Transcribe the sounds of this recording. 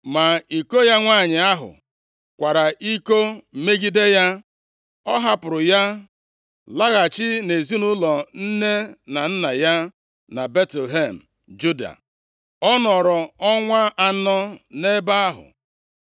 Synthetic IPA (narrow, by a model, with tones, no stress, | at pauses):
ma˨i˨ko˦ja˦ŋʷaː˦˨ɲɪ˨a˦ɦʊ̰˨ | kʷa˨ɾa˨i˦ko˦m̩˨me˦ɡi˦de˦ja˦ | ɔ˦ɦa˦pʊ˨ɾʊ˨ja˦ | la˦ɣa˨t͡ʃɪ˦ne˨zi˦nu˦lɔ˨n̩˦ne˦na˨n̩˦na˨ja˦ | na˨be˦te˨lɦe˦˨m̩˨ | d͡ʒu˦da̰˨ | ɔ˦nɔ˨ɾɔ˨ɔ˦ŋʷa˦ʔa˦nɔ˦ne˦ba˦a˦ɦʊ̰˨